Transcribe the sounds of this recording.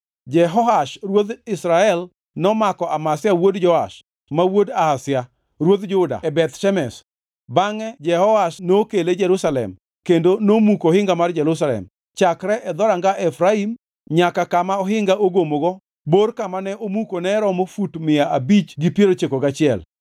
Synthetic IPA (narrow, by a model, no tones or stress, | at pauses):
d͡ʒɛɦɔɦaʃrwod̪ɪsɾaɛl | nɔmakɔʔamasɪjawodd͡ʒɔaʃ | mawodahasɪja | ɾwod̪d͡ʒʊda̰ɛbɛt̪ʃɛmɛs | baŋɛd͡ʒɛhɔaʃnokeled͡ʒɛɾusalɛ̰m | kendonomukohɪŋɡamard͡ʒɛɾʊs̬alɛ̰m | t͡ʃakɾɛʔɛd̪ɔɾaŋɡaʔɛfɾaim | ɲakakamaɔɦɪŋɡaʔoɡomoɡɔ | borkamanɛomukonɛɾɔmofutmɪaabit͡ʃɡipjeɾot͡ʃekoɡat͡ʃɪɛ̰l